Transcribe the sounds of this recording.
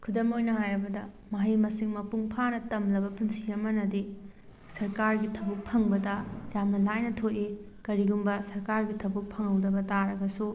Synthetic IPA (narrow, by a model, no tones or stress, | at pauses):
kʰudɐmojnɐhajɾɐbɐdɐ | maɦimɐsiŋmɐpuŋpʰanɐtɐmlɐbɐpunsijɐmɐnɐdi | sɐɾkaɾɡitʰɐbuk̚pʰɐŋbɐdɐjamnɐlajnɐtʰoʔe | kɐɾiɡumbɐsɐɾkaɾɡitʰɐbuk̚pʰɐŋhɐwdɐbɐtaɾɐɡɐsu